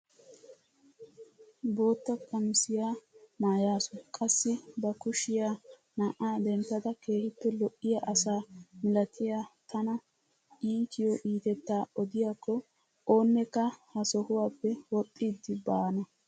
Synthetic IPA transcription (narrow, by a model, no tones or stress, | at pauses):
bo̞ːt̪ːɐkʼːɐmɪsɪjaːnaːjaːsɔkʼɐsːɪbɐkʊʃɪjaː | naʔaːd̪ɛnt̪ːɐd̪ɐke̞ːhɪpːɛlɔʔːɪjaʔɐsaːmɪlɐt̪ʰɪjaːt̪ʰɐnɐ | ʔiːk̪ɪjɔʔiːt̪ɛt̪ːaːɔd̪ɪjaːkːɔ | o̞ːnːɛkːɐhɐsɔhʊwaːpːɛwɔpʼːiːd̪ːɪbaːnɐ